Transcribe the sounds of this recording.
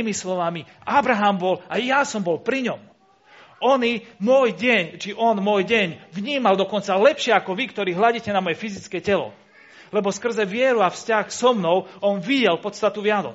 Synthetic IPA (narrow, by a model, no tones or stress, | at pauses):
imislɔʋamiabɾaɦambɔlajjasɔmbɔlpɾiɲɔm | ɔnimʊɔjɟɛɲt͡ʃiʔɔnmɔjɟɛɲʋɲiːmald̪ɔkɔnt͡salɛpʃɪɛakɔʋikt̪ɔɾiːɦlaɟicɛnamɔjɛfizit͡skɛcɛlɔ̰ | lɛbɔskr̩zɛʋɪɛɾuafscaxsɔmnɔʊɔnʋiɟɛlpɔt̪st̪at̪uʋɪanɔ̰